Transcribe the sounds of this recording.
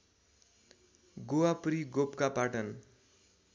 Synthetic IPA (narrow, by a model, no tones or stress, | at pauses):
ɡowapɾiɡopkapaʈʌn